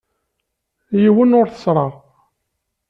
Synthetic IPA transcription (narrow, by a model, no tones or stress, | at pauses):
jiwənʊɾθə̥sɾˤɑʁ